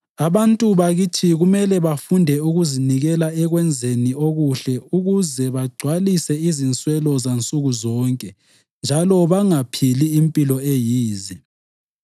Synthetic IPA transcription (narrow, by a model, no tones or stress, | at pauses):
aβantʼuβaɣitʰiɣumɛlɛβafundʱɛuɣuziniɣɛlaɛɣwɛnd͡zʱenioɣuɬɛuɣuzɛβaɡ͡ǀʱwalisɛizint͡sʼwɛlɔzant͡sʼuɣuzɔːŋkʼɛ | nd͡ʒʱalɔβaŋapʰiliːmpʼilɔejiːzi